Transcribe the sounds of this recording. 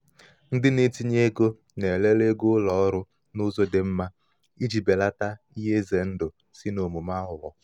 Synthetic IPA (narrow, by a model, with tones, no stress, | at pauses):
n̩˦dɪ˦ne˦ti˦ɲe˦ɡo˦ | ne˨le˦le˦ɡʊ˦lɔ˨ɔ˦ɾʊ˦ | nʊ˦zo˦dɪ˨m̩˦ma˦ | i˦d͡ʒi˨be˨la˦ta˦ | i˦ɦe˦ze˨n̩˦dʊ˨ | si˦no˨mu˨ma˦ɦʊ˨lɔ˨